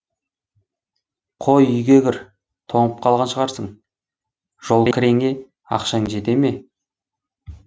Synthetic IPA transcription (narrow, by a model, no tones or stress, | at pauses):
qʰojʏjɡʲeɡʲɪɾ | t̪ʰo̞ɴəp̚qʰɑlˠʁɑnʃəʁɑɾsəɴ | ʒ̥o̞lˠkʲʰɪɾeŋe̞ | ɑ̰qʃɑŋʒe̞t̪e̞me̞